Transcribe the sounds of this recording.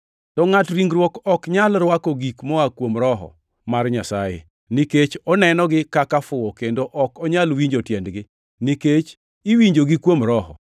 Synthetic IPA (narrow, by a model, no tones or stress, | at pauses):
tɔŋatɾiŋɡɾwɔkɔkɲalɾwakɔɡikmɔakwomɾɔɦɔ̰ | marɲasajḛ | niket͡ʃɔnɛnɔɡɪkakafʊwɔkendoʔɔkɔɲalwiɲd͡ʒotjɛndɡɪ | niket͡ʃ | iwiɲd͡ʒoɡɪkwomɾɔɦɔ̰